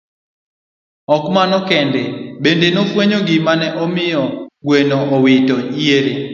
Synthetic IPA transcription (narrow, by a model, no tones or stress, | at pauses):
ɔkmanɔkɛndebendenofweɲoɡɪmanɛʔɔmɪjɔɡwenoowitɔieɾe